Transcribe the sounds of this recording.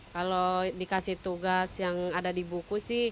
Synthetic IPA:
kalodikasiht̪uɡasjaŋadadibukusɪh

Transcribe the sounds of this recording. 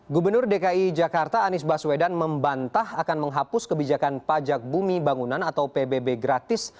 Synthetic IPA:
ɡubərnʊrdekaid͡ʒakart̪aːnɪsbaswedanməmbant̪ahakanməŋɦapʊskəbid͡ʒakanpad͡ʒak̚bumibaŋunanat̪awpebebeɡɾat̪ɪs

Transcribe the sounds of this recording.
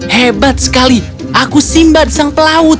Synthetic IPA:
hebat̪̚sə̥kali | ʔakusimbad̪̚saŋpəlaʊt̪̚

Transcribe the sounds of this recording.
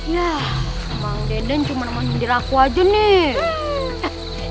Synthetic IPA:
ja | maŋdɛndɛnt͡ʃumanamaŋdiɾakuad͡ʒoni

